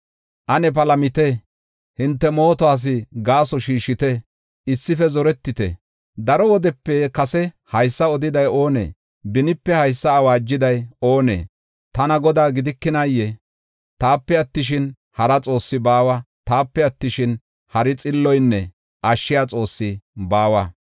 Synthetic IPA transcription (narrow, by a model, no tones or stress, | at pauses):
ʔɐnɛp̬ɐlɐmɪt̪ɛ | hɪnt̪ːɛmo̞ːt̪ɔaːs̬ɪɡaːsɔʃiːʃɪt̪ɛ | ɪsːɪfɛzɔɾɛt̪ːɪt̪ɛ̰ | d̪ɐɾɔwɔd̪ɛpːɛkɐsɛ | hɐjsːɐɔd̪ɪd̪ɐjo̞ːnḛː | bɪnɪpːɛhɐjsːɐːwaːd͡ʒːɪd̪ɐjo̞ːnḛː | t̪ɐnɐɡɔd̪aːɡɪd̪ɪkːɪnajːɛ | t̪aːpːɛɐt̪ːɪʃ̬ɪn | hɐɾɐt͡sʼo̞ːsːɪbaːwɐ | t̪aːpːɛɐt̪ːɪʃɪn | hɐɾɪt͡sʼɪlːɔjnːɛ̰ | ʔɐʃːɪjaːt͡sʼo̞ːsːɪbaːwɐ